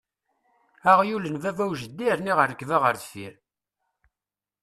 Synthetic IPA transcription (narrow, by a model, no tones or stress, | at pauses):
æʁjulənvævæwʒəd̪ːiəɾniʁəɾːəkːvæʁəɾθθiɾ